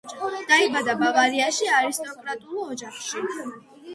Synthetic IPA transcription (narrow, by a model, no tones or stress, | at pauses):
d̪̥aibad̪abavaɾiaʃiaɾist̪ʼɔkʼɾat̪ʼulˠɔd͡ʒaχʃi